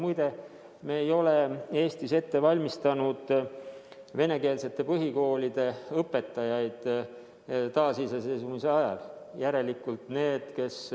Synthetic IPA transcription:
mujd̪e̞ | meːjo̞le̞e̞ːst̪ise̞t̪ːe̞vɑlʲmist̪ɑnud̪̥ | ve̞ne̞ke̞ːlse̞t̪ːe̞pɤɦiko̞ːlʲid̪̥e̞ɤpːˑe̞t̪ːˑɑjɑjd̪̥ | t̪ɑːsisese̞jsumise̞ɑjɑ̰l | jæɾe̞likːˑult̪ne̞ːd̪̥ke̞s

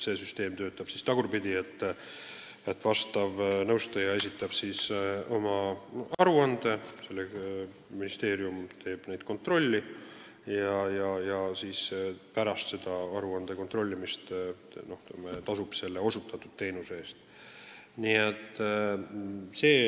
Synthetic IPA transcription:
se̞ːsyst̪e̞ːmt̪ø̞ːt̪ːˑɑb̥sist̪ɑɡ̥urbid̪iet̪ː | et̪ːˑvɑst̪ɑvnɤwst̪ɑjɑe̞sit̪ˑːɑb̥siso̞mɑɑɾuɑnd̪e̞se̞lːe | minist̪e̞ːɾiumt̪ʰe̞ːb̥ne̞jd̪̥ko̞nt̪ro̞lʲːi | jɑjɑjɑsiːspæɾɑst̪se̞d̪̥ɑɑɾuɑnd̪̥e̞ko̞nt̪ro̞lʲːimist̪ | no̞ht̪met̪ɑsub̥se̞lːe̞o̞sut̪ːˑɑt̪ːˑud̪̥̚t̪e̞jnuseeːst̪ | niet̪ːˑ | se̞ː

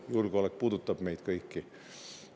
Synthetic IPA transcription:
juːrkoɑlek̚put̪ut̪ːɑb̥meit̪kɑikːi

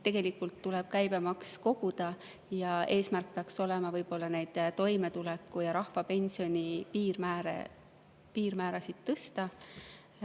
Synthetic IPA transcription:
t̪ːe̞ɡ̥e̞likːˑult̪ːulɛb̥̚kæjb̥emɑksko̞ɡ̥ud̪̥ɑ | jɑe̞ːsmærk̚peɑkso̞lɛmɑvɤjbo̞lːɑnejd̪̥t̪o̞jme̞t̪ulekːujɑɾɑhfɑpe̞nʲsionʲipiːrmæːɾḛ | piːrmæːɾɑsid̪̥̚t̪ːɤst̪ɑ

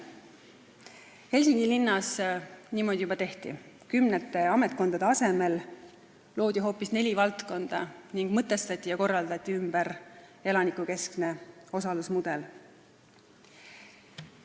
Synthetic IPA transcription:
he̞lʲsiŋɡilinːɑsniːmod̪̥ʲijubɑt̪e̞ht̪ḭ | kymnet̪ːˑe̞ɑmet̪̚ko̞nd̪ɑd̪eɑse̞me̞l | lo̞ːd̪̥iɦo̞ːpːˑisne̞lʲivɑlt̪ko̞nd̪̥ɑ̰niŋɡ̥mɤt̪ːˑe̞st̪ɑt̪ʲˑːijɑko̞rːɑld̪ɑt̪ʲˑːiymb̥əɾe̞lɑnikˑuke̞skne̞o̞sɑlusmud̪̥e̞l

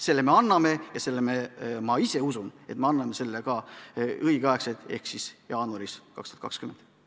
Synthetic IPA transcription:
se̞lːeme̞ɑnːɑme̞jɑse̞lːememɑise̞usune̞t̪meɑnːɑmese̞lːekɑɤiɡ̥eɑeksed̪̥e̞̰hksisjɑːnuɑɾiskɑkst̪u̥ɑt̪kɑkskymend̪̥

